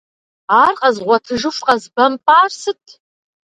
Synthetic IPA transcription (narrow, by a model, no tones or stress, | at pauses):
aːrqɐzʁʷɔtʰɨʒɨfqɐzbɐmpʼaːrsɨtʰ